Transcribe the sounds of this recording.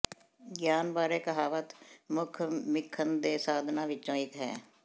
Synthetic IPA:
ɡjaːnbaːɾeːkəɦaːʋət̪mʊkʰmɪkʰːənd̪eːsaːd̪ʱnãːʋɪt͡ʃːt͡ʃõːɪkɦɛ̰ː

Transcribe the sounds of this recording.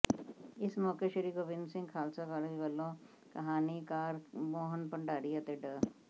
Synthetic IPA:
ɪsmɔːkeʃɐɾikoʋɪnsɪ̃ŋɡkʰaːlsakaːɾeʋɐlːõ | kɐɦaːnikaːɾmoːɦənpɐ̃ɳɖaːɽiɐt̪eɖə

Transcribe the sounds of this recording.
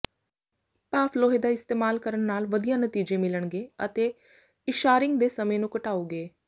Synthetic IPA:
paːpʰloːɦeːd̪aːɪst̪eːmaːlkəɾəɳnaːlʋəd̪ijãːnət̪iːd͡ʒẽːmɪləɳɡeːə̰t̪eː | ɪʃaːɾɪŋɡd̪eːsəmẽːnũːkəʈaːoːɡeː

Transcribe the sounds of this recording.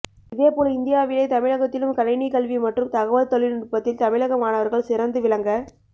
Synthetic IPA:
ɪðeːpoːlɪnd̪ɪjaːʋɪlɐɪt̪ɐmɪɻɐɣɐt̪ːɪlɯmkɐɾɐɪnikɐɭʋimɐʈrɯmt̪ɐɣɐʋɐlt̪ɔɭɪnʊɾpːɐt̪ːɪlt̪ɐmɪɻɐɣɐmaːnɐʋɐɾɣɐɭsɪɾɐnd̪ɯʋɪɭɐŋɡɐ

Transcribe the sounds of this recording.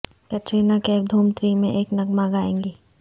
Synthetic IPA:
kɐt͡ʃeːnakeːɾd̪ʱuːmt̪ɾimẽʔeːknɐɡmaɡaːḛ̃ːŋɡiː

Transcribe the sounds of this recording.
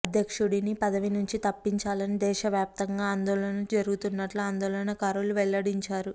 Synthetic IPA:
ɐd̪ʱjɐkʂuɽinipɐd̪ɐʋinuɲt͡ʃit̪ɐpːiɲt͡ʃaːlɐnid̪ɛːʃɐʋjaːp̚t̪ɐŋɡaːnd̪ɔːɭɐnɐd͡ʒɐɾuɡut̪unːɐʈluaːnd̪ɔːlɐnɐkaːɾuluʋɛɭːɐɽiɲt͡ʃaːɾu

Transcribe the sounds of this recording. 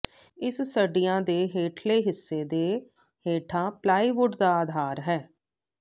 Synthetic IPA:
ɪssəɖijãːd̪eːɦeːʈʰleːɦɪsːeːd̪eː | heːʈʰãːplaːiːʋʊɖd̪aːaːd̪ʱaːɾɦɛː

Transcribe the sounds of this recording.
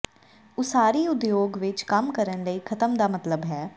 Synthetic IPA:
ʊsaːɾiːʊd̪joːɡʋɪt͡ʃkəmkəɾənləiːkʰət̪əmd̪aːmət̪ləbɦɛː

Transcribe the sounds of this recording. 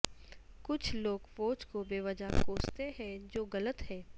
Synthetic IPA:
kʊt͡ʃʰloːɡfoːt͡ʃkobeːʋəd͡ʒakoːst̪eɦɛ̃d͡ʒoːɡɐlət̪hɛː

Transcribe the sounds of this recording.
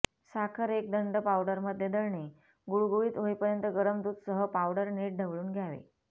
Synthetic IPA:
sakʰəɾek̚d̪əɳɖəpawɖəɾməd̪ʱːjed̪əɭne | ɡuɭɡuʋiːt̪ɦoipəɾjənt̪əɡəɾəmd̪uːt̪səɦəpaʋɽəɾneʈ̚ɖʱəʋɭuːnɡʱjaʋḛ

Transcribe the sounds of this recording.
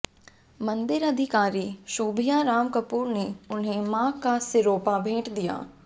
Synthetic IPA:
mɐ̃nd̪ɪɾɐd̪ʱɪkaːɾiʃuːbʱijaɾaːmkɐpuːɾneʊnɦẽmãːkːasɪɾoːpabʱeːʈd̪ija̰ː

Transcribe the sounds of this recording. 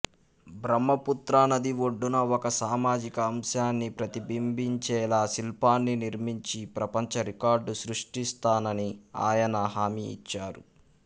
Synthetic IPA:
bɾɐmːɐput̪ɾaːnɐd̪iwo̞ɖːunɐɔkɐsaːmaːd͡ʒikɐːmʃaːnːipɾɐt̪ibimbiɲt͡ʃɛːlaːsilpaːnːiniɾmiɲt͡ʃipɾɐpɐɲt͡ʃɐɾikaːɾɖusɾuʂʈist̪aːnɐnia̰ːjɐnɐɦaːmḭːt͡ʃːaːɾu

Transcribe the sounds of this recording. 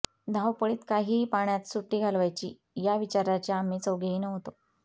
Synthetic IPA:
d̪ʱawpəɭiːt̪kaɦiːpaɳjat̪suʈːiːɡʱalʋajt͡ɕiː | jaʋit͡ɕaɾat͡ɕjaːmiːt͡səwɡeiːnəɦot̪o

